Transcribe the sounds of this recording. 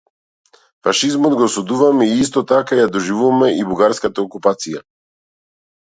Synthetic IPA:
faʃizmɔd̪ɡɔsud̪uvamɛiis̬t̪ɔt̪akajad̪ɔʒivuvmɛʔibuɡaɾskat̪aɔkupat̪sija

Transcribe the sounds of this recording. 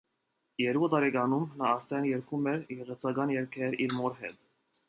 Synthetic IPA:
jɛɾkut̪ɑɾɛkɑnumnɑɑɾt̪ʰɛnjɛɾkʰumɛɾjɛʁɛt͡sʰɑɡɑnjɛɾkʰɛɾiɾmɔɾɦɛ̰t̪

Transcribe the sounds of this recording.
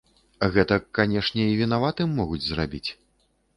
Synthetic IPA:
ɣɛt̪ɐkanʲɛʂnʲɛivʲinavat̪ɨmːɔɣud͡zʲzrabʲit͡sʲ

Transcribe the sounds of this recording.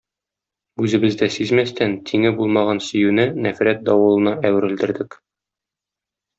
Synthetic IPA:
ʉzɘ̆bɘ̆zd̪æsizmæst̪ænt̪ʰiŋɘbulˠmɑʁɑnsɵ̆jʉnɘnæfɾæt̪̚d̪ɒwɤ̆lˠɤ̆nɑæwɘ̆ɾɘ̆ld̪ɘ̆ɾd̪ɘk

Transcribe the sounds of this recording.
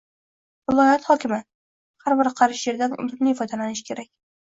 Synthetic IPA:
vɪlˠɒjat̪hɒkʲɪmɪ | haɾbɪɾqʰɑɾɪʃje̞ɾd̪anʊ̰llɪmnɪjɪfɒd̪alanɪʃkʲʰe̞ɾak̚ʲ

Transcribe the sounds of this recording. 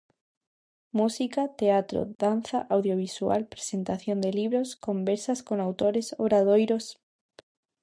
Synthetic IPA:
musikat̪eat̪ɾo̰ðan̟θaʔawðjoβ̞isua̰lpɾe̥sent̪aθjond̪eliβ̞ɾoskombeɾsaskoŋawt̪oɾesoɾaðojɾos

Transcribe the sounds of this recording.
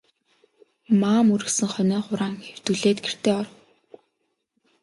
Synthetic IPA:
maːmuɾɘ̆ksɘ̆ŋχœnœːχʊɾaːŋxew̥t̪uɮeːt̪ɡer̥t̪eːɔr

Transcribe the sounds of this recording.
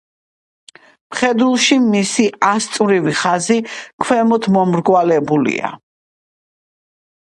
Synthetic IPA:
mχɛd̪ulˠʃimisiast̪ʼvɾiviχazikʰwɛmɔt̪ʰmɔmɾɡwalɛbulḭa̰

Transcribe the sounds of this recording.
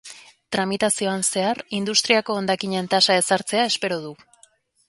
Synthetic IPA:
t̪ɾamit̪asio̞anse̞aɾind̪ust̪ɾiako̞ːnd̪akiɲe̞nt̪asae̞saɾt͡se̞ae̞spe̞ɾoðu

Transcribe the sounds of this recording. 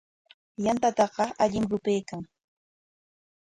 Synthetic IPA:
jant̪at̪ɑqɑʔaʎɪmɾʊpejkaŋ

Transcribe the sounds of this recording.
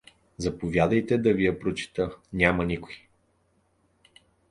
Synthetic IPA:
zɐpovʲjad̪əjt̪ɛd̪ɐvijɐpɾot͡ʃi̥t̪ənʲamɐnikʊ̥ji

